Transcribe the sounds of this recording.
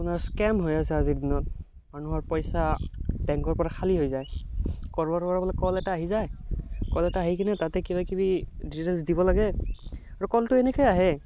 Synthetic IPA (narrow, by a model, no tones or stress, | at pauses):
apunaɹskɛmɦojasɛaziɹdinɔt̚ | manuɦɔɹpɔjsabɛŋkɔɹpɔɹakʰaliɦojzajkɔɹbɔɾkɔɹabɔlɔkɔlɛtaːɦizajkɔlɛtaːɦikʰinɛtatɛkibakibidiɹɛnsdibɔlaɡɛaɹukɔltʊɛnɛkʰɔjaɦɛ